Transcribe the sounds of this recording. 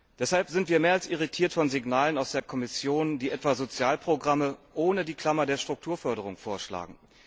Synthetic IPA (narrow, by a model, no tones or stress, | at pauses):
d̥ɛshalpz̥ɪntv̥iːɐmeːɐalsɪʁitʰiːɐtfɔnzɪɡnaːlənaʊsd̥eːɐkʰɔmɪsjoːnd̥iːʔɛtv̥aːzot͡sjaːlpʁ̥oɡʁaməʔoːnədiːkl̥amɐdeːɐʃtʁ̥ʊk̚tʰuːɐfœɐdəʁ̞ʊŋfoːɐʃla̰ːɡŋ̩